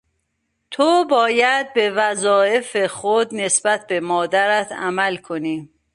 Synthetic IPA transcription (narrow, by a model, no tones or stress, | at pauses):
t̪ʰobɒːjæd̪̚be̞væzɒːe̞fexod̪ne̞sbæt̪̚ʰbe̞mɒːd̪æɾæt̪ʰæ̰mælkʰo̞niː